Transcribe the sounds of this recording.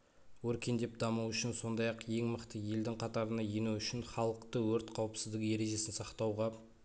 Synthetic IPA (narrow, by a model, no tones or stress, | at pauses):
wɵɾkʲe̞nd̪e̞p̚d̪ɑmuwʏʃɪnso̞nd̪ɑjɑqje̞ŋməqt̪əje̞ld̪ɪŋqʰɑt̪ɑɾənɑjenuwʏʃɪnχɑlˠəqt̪əwɵɾt̪qʰɑwəpsɪzd̪ɪɡʲkʲje̞ɾe̞ʒe̞sɪnsɑqt̪ɑwʁɑ